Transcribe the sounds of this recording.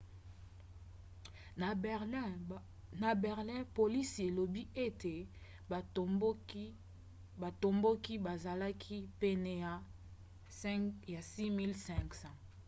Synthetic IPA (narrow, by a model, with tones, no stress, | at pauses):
na˨bɛ˨ʁlɛ̃˦po˨li˦si˨e˨lo˨bi˦e˦te˨˦ | ba˨to˨mbo˦ki˦ba˨za˨la˦kʰi˦pɛ˦nɛ˨˦ | ja˨si˦mi˦lsɛ̃˦ksã˦